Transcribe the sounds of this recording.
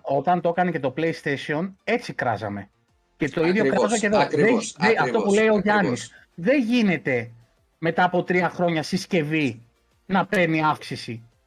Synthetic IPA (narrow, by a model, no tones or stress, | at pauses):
o̞t̪ɐnt̪o̞kɐnece̞t̪o̞ple̞jst̪e̞sio̞ne̞t͡sikɾɐ̰zɐ̰me̞ | ce̞t̪o̞iðʝo̞kɾɐzoceðo̞ðeðeɐt̪o̞pule̞jo̞ʝɐnis | ðe̞nʝine̞t̪e̞ | me̞t̪ɐːpo̞t̪ɾiɐxɾo̞ɲɐsisce̞vi | nɐpe̞niɐfksisi